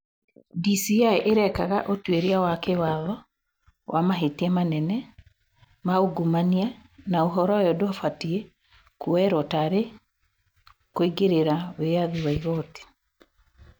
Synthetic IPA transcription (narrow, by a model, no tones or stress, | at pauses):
disiaeʔeɾɛkaɣaʔotweɾiawakewaðɔ | wʔamaɦetiɛmanɛnɛ | maoɡumanianaoɦɔɾɔjɔdoafatie | kuɛɾɔtaɾe | koiɡeɾeɾaweaðiwaiɣɔti̥